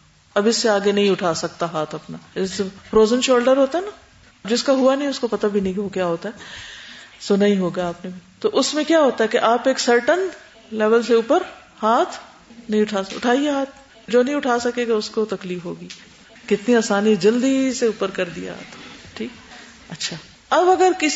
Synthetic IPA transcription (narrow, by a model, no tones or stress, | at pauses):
ɐbɪsːeaːɡenɐɦĩʊʈʰaːsɐk̚t̪aɦaːt̪ʰɐpnaɪsfɾoːzənʃoːlɖəɾɦoːt̪aɦɛna | d͡ʒɪskaɦʊanɐɦĩʊskopɐt̪abʱinɐɦĩokjaːɦoːt̪aɦɛː | sonɐɦĩɦoːɡaaːpnebʱit̪oʔʊsmẽkjaːɦoːt̪aɦɛkeʔaːpeːksɐɾʈən | lɛːʋəlseuːpəɾ | haːt̪ʰ | nɐɦĩʊʈʰaːʊ̰ʈʰaːieɦaːt̪̚ʰ | d͡ʒoːnɐɦĩʊʈʰaːsɐkeɡaʊskot̪ɐkliːfɦoːɡiː | kɪt̪niaːsaːnid͡ʒɐld̪iseuːpəɾkɐɾd̪ija̰ɦt̪ʰʈʰiːk | ɐtːʃʰaː | ɐbɐɡəɾkɪ